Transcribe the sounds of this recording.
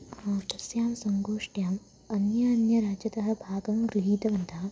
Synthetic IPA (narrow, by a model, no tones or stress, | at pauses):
ɐt̪ɐsjaːmsɐŋɡoːʂʈjaːm | ɐnjaːnjɐɾaːd͡ʒɐt̪ɐɦɐ̆bʱaːɡɐmɡɾiɦiːt̪ɐʋɐnd̪ʱaː